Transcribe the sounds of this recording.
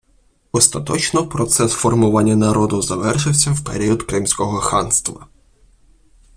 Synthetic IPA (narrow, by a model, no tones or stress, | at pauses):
ɔst̪ɐt̪ɔt͡ʃnɔpɾɔt̪sɛsfɔrmʊʋɑnʲːɐnɐɾɔd̪ʊzɐʋɛrʃɪwsʲɐwpḛɾʲiɔd̪kɾɪmsʲkɔɦɔxɑnst̪ʋɐ̰